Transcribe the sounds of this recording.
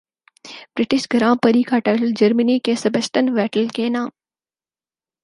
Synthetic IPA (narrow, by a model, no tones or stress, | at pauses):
bɾɪʈɪʃɡɐɾãːmpɐɾiːkaːʈaːʈəld͡ʒɐɾməniːkẽːsɐbəsʈənʋɛːʈəlkeːnãːm